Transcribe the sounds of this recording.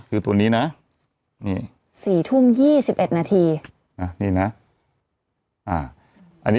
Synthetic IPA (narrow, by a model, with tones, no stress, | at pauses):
kʰɯː˧t̪u˧əniː˦˥na˦˥ | nḭː˥˩ | siː˨˩t̪ʰu˥˩˨mjiː˥˩si˨˩p̚ʔe˨˩t̪̚naː˧t̪ʰiː˧ | na˦˥niː˥˩na˦˥ | ʔaː˧˩ | ʔa̰˧ni˦